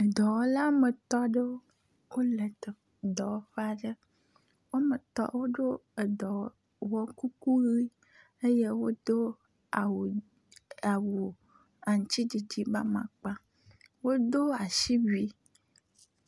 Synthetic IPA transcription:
e˨d̪ɔ˨wɔ˦la˦me˨t̪ɔ˦ɖe˦wo˦ | wo˦le˨t̪e˨ | d̪ɔ˨wɔ˦ɸa˨ɖe˦ | wo˦me˨t̪ɔ̰˦wo˦ɖo˦e˨d̪ɔ˨ | wɔ˦ku˦ku˦ɣi˦ | e˦je˦wo˦d̪o˦ | a˨w | a˨wu˨ | a˨ŋ̩˨t͡ɕ̪i˦d͡ʒi˨d͡ʑi˦ba˦mã̰˨k͡pa˦ | wo˦d̪o˦a˨ʃi˦bi˦

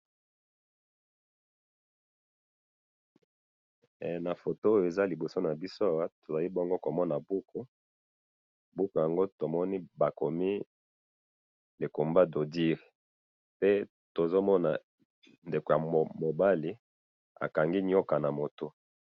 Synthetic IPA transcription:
na˨fo˨to˦o˦jo˨e˨za˦li˨bo˨so˦na˨bi˦so˦a˨wa˦to˨za˨li˦bɔ˦ŋɡo˦ko˨mɔ˦na˨bu˦kʰo˦ | bu˦ko˨ja˨ŋɡo˦to˨mɔ˦ni˦ba˨ko˨mi˦ | le˨ko˨mba˦do˨di˦ʁe˨ | pe˦ | to˨zo˦mɔ˦na̰˨ | nde˨ko˨ja˨mo˨ba˦li˦ | a̰˨ka˨ŋɡi˦ɲ˦ɔ˦ka˨na˨mo˨to˦

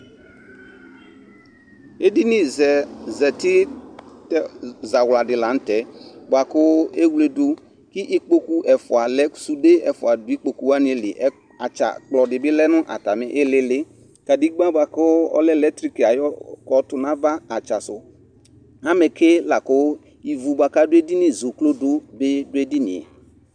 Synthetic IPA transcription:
e˦di˦ni˦ɛ˨zɛ˨tɪ˦tza˨wla˨dɪ˨la˨n̩˦tɛ˨bwa˨kʊ˦e˦wle˨du˦ | kɪ˦ʔi˦k͡po˦ku˦ʔɛ˨fʊ˨a˨lɛ˦su˨de˦ɛ˨fʊ˨a˨dʊ˨i˦k͡po˨ku˦wa˦ni˦e˨lɪ˨ʔɛ˦ | a˨t͡ʃa̰˨k͡plɔ˨dɪ˨bɪ˦lɛ˦nʊ˦ʔa̰˨ta˨mɪ˦ʔɪ˦lɪ˦lɪ˦ | ka˨di˦ɡ͡ba˦ba˨kʊ˦ɔ̰˦lɛ˦lɛ˦tɾi˦ki˨a˨jɔ˦kɔ˨tʊ˨nã˦va˦a˨t͡ʃa˨sʊ˨ | a˦mɛ˨ke˦la˨kʊ˦ | i˨vu˨ba˨ka˦dʊ˦e˦di˦nɪ˨zo˨klo˦dʊ˦bɪ˦dʊ˦e˦di˦nɪ̰˨ɛ̰˨

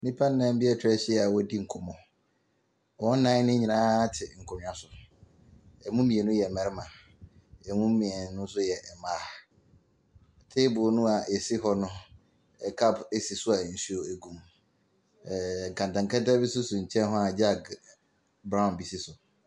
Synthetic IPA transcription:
nĩ˦pʰã˦n˦nã˨m̩˦bɪ˦ɛ˦tʰɾɛ˦ɕi˦ɛ˦a˨wɔ˦di˦ŋ̩˨kʰʊ˨mɔ̃˨ | wɔ˦nã˦nɪ̃˦ɲɪ˨nãː˦tʰɪ˨ŋ̩˨kʰɔ˨m̃˨a˨sʊ˨ | ɛ˨mũ˦mĩ˨ɛ˨nʊ̃˦jɛ˨mɛ̃˨ɾɪ˦mã˨ | ɛ˨mũ˦mĩ˨ɛ˨˦nʊ̃˦n̩˦s̬ʊ˦jɛ˨ɛ˨mãː˦˨ | tʰeː˦bʊ˨nʊ̃˦a˨ʔe˨si˦ɦɔ˦nʊ̃˦ | ɛ˨kʰa˦˨bɛ˨si˨sʊ˦a˨n̩˨su˦o˨æ˨ɡũ˨m˨ | ŋ̩˨kʰã˨ntã˨ŋka˦ta˦bɪ˦sʊ˦sʊ˨ɲ̩˨t͡ɕʰɛ̃˦nɦɔ˦a˨d͡ʑa˦ɡ | bɾã˦ʊ̃˨nbi˨sɪ˦sʊ˨

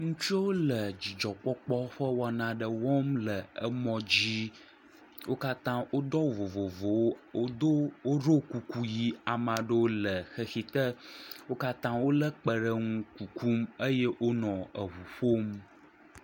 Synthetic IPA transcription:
ŋũ˦t͡ʃo˦wo˦lə˨d͡ʑi˨d͡ʒɔ˨k͡pɔ˦k͡pɔ˦ɸə˦wɔ˨nã˨ɖə˨wɔ˦mlə˨ə˦mɔ̃˨d͡ʑi˦ | wʔo˦ka˦t̪ã˦wʔo˦d̪ɔ˦wvo˨vo˨vo˨wo˦o˦d̪o˦wo˦ɾo˦ku˨ku˦ji˦a˨mã˨ɖə˦wo˦lə˨xə˦xi˨t̪ə˦wo˦ka˦t̪ã˦wo˦lə˦k͡pə˨ɖə˦ŋũ˦ku˨ku˦mə˦je˦ʔo˦nɔ̃˨ə˨ɦu˨ɸo˦m

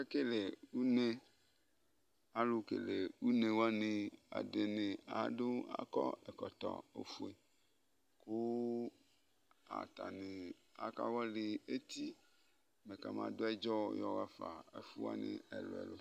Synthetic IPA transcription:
e˦ke˦le˨u˦ne˦ | a˦lo˦kḛ˨le˨u˦nẽ˨wa˦nẽ˨a̰˨de˨ne˨a˨do˦a̰˦kɔ˦e˨kɔ˨t̪ɔ̰˨o̰˨fu˦e˨ | ko˦ | a̰˨t̪a˨ne˨ | a̰˨ka˦wɔ˦le˨e˦t̪i˦ | me˨ka˨mã̰˨do˦ɛ˦d͡ʒɔ˦jɔ˨ɣa˦fa˨e˨fu˦wa̰˦nḛ˦e˨lo̰˨ɛ̰˨lo˦

